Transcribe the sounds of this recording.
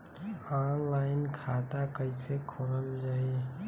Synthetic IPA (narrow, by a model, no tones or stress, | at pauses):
anlaːɪnkʰaːt̪akəɪsekʰoɾəld͡ʒaːie